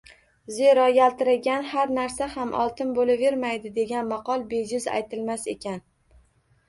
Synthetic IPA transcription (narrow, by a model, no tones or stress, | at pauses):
ze̞ɾɒjalt̪ɪɾaɡʲanhaɾnaɾsahamʔɒ̰lˠt̪ʰɪnbolave̞ɾmajd̪ɪd̪e̞ɡʲanmɑqɒlˠbe̞d͡ʒɪza̰jt̪ʰɪlmase̞kʲan